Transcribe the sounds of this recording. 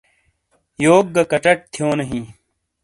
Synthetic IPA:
joːɡ̚ːɐkɐʈɐʈ̚t̪ʰijoːnɐɦĩː

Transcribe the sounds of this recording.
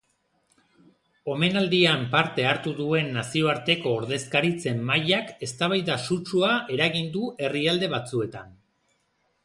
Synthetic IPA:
o̞me̞nald̪iampaɾt̪e̞aɾt̪uðue̞nːasio̞aɾt̪e̞ko̞ːɾðe̞skaɾit͡se̞mːajake̞st̪aβ̞ajðasut͡ʃuaʔe̞ɾaɣind̪uʔe̞riald̪e̞β̞at͡sue̞t̪an

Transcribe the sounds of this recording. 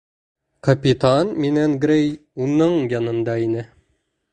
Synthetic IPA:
kɐpʲit̪anminæŋɡɾejunɤɴjɑnɤ̆nd̪ɑinɘ

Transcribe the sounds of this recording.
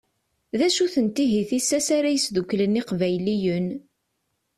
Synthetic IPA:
ðæʃuθənt̪iɦiθisːæsaɾæjəsðukːləniqvæjlijən

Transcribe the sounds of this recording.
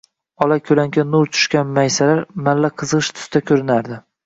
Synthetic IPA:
ɒlakʲʰɵlaŋɡʲanːʊɾt͡ʃʰʊ̥ʃkʲanmajsalaɾmalːaqʰɨzʁɨʃt̪ʰʊ̥st̪ʰakʲʰɵɾɪnaɾd̪ɪ

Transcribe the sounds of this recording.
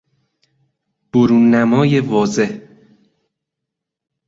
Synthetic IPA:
b̥oɾuːnːæmɒːje̞vɒːze̞h

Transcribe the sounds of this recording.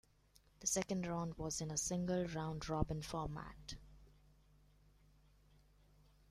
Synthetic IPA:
d̪̥əsɛkə̃nɖɹãʊ̃nɖwɔzɪ̃nəsɪ̃ŋɡəlɾãʊ̃nɖɹɔbɪ̃nfɔːmæ̰ʈ

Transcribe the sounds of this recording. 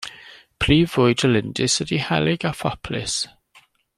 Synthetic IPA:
pʰl̥iːvʊjdəlɪndɪsədihɛ̰lɪɡafɔpʰlɪ̰s

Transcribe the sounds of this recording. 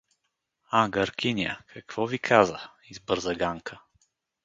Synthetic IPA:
aɡɐɾkʲinʲiə̰kʰɐkv̥ɔvikʰazə | izbəɾzɐɡaŋkʰə

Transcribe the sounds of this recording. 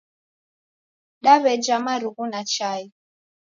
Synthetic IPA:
ɗaβɛd͡ʒamaɾuɣunat͡ʃai

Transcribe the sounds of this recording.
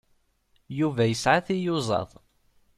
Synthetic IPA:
juvæjəsʕaθijʊzˤɑ̰ðˤ

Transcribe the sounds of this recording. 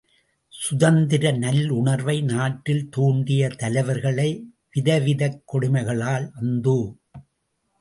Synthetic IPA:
sʊðɐnd̪ɪɾɐnɐlʊɳɐɾʋɐɪnaːʈːɪlt̪uːɳɖɪjɐt̪ɐlɐɪʋɐɾɣɐɭɐɪ | ʋɪðɐʋɪðɐkːɔɽɪmɐɪɣɐɭaːlɐnd̪u

